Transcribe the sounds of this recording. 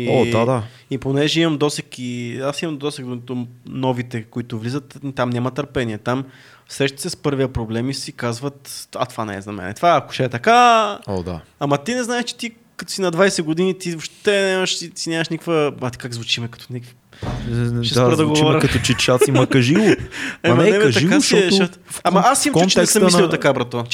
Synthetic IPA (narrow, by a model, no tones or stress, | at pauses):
iod̪ad̪a | iponɛʒɛimɐmd̪ɔsɛkiasimɐmd̪ɔsɛk̚d̪ont̪onɔvit̪ɛkoit̪ʊvlizət̪it̪amnʲamɐt̪əɾpɛniɛt̪am | sɾɛʃt̪ə̥sɛspɤɾvijɐpɾoblɛmisikazvət̪a̰t̪vanɛ̰zɐmɛ̰nɛ̰t̪vaɐkʊ̥ʃɛɛt̪ɐkaod̪a̰amɐt̪inɛznaɛʃt͡ʃɛ̥t̪i | kɐt̪o̥sinɐd̪vajsɛɡod̪init̪ivopʃt̪ɛnʲɛmɐʃisinʲjamɐʃnikvəmat̪kaɡzvut͡ʃimɛkɐ̥t̪onɛk | ʃɛsɾd̪ɐɡovɔɾkɐt̪ot͡ʃɛt͡ʃasimɐkɐʒilˠʊɛmɐnɛbɐʒɐiasiɛʃət̪amɐasimɛɛsəmlʲilˠt̪ɐkabɾɐt̪o